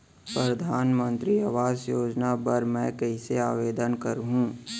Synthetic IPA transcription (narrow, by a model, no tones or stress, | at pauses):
pɾɐd̪ʱaːnmə̃nt̪ɾiaʋaːzjoːd͡ʒnapɐɾmɛ̃ːkɐisea̰ːʋeːd̪ənkɐɾɦũː